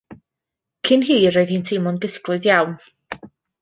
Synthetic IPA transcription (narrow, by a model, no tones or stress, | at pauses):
kʰɪnɦiːɾoɨðiːntʰɪmɔnɡəsklˠɨðjawn